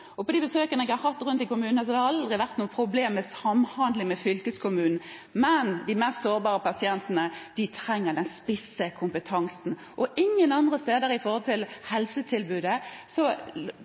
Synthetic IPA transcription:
ɔpɔd̪ibəsøːkənəɛɡɑɾhɑt̪ːʁʉnt̪ɪkʊmʉːnnəs̬ɔd̪ɛhɑld̪ʁɪʋæʁt̪nuːəpʰʁʊbleːmːɛsɑmhɑnd̪lɪŋmɛfʏlkəskʰʊmʉːnn̩ | mɛnd̪ɪmɛst̪soːɾbɑːʁəpɑsɪɛnt̪ənəd̪̥ɪt̪ʰʁɛŋːəʁd̪ɛnspɪsəkʰʊmpət̪ʰɑŋsn̩ | ʔɔʔɪŋːənɑnd̪ʁəst̪eːd̪əɾəɪfɔʁhɔlt̪ʰɪlhɛlsət̪ʰɪlbʉːd̪əsɔ

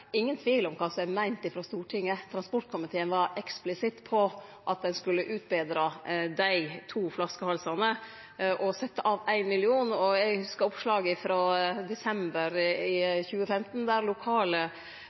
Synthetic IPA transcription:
ɪŋːənt̪ʰʋiːlɔmkʰɑːsɔmɛmæɪnt̪ɪfɾɑst̪uːʈʰɪŋːət̪ʰɾɑnspɔʈ̚kʰʊmɪt̪ʰeːənʋɑɾɛksplɪsɪt̪ːpʰɔʔɑt̪̚d̪ɛnskʉlːəʔʉːt̪̚bɛːd̪ɾɑd̪æɪt̪ʰuːflɑskəhɑlsɑnə | ʔɔsɛt̪ːəʔɑːʋæɪnmɪlɪuːnɔæɡhʉskəɾɔpʂlɑːɡɪfɾɑːd̪ɛsɛmbəɾɪçʉːəfɛmt̪n̩d̪æːɾlʊkʰɑːlə

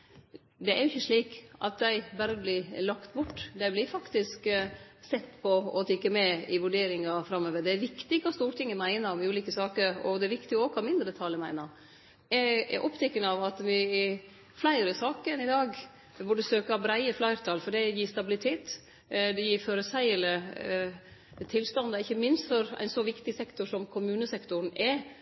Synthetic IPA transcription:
d̪ɛæjʊɪçːəʂɭiːkʔɑ̰t̪̚d̪æɪbæɾəblɪlɑkt̪bʊʈːd̪æɪblɪfɑkt̪ɪsksɛt̪ːpʰɔɔt̪ʰɪkːəmɛɪʋʉɖeːɾɪŋɑfɾɑmːøːʋəɾd̪ɛæɾʋɪkt̪ɪkʰɑːst̪uːɾʈ̪ɪŋːəmæɪnəɾmɪʉːliːkəsɑːkəɾɔ̰d̪ɛæɾʋɪkt̪ɪɔoːɡkʰɑːmɪnd̪ɾət̪ʰɑːləmæɪnəɾ | ɛɛ̰ɾʔɔpt̪ʰɛkːənəɑʋɑt̪ʋɪɪ | flæɪɾəsɑːkənɪd̪ɑːɡ | ʋʊɖəsøːkɑɑbɾæɪəflæɪɾt̪ʰɑːlfɔɖɛjiːst̪ɑbɪlɪt̪ʰeːt̪ | d̪ɛjiːɾføɾəsæɪələ | t̪ʰɪlːst̪ɑnd̪ɑɪçːəmɪnst̪fɔɾæ̰ɪnsɔʋɪkt̪ɪsɛkt̪ʊʂɔmkʰʊmʉːnəsɛkt̪ʊɾnɛ

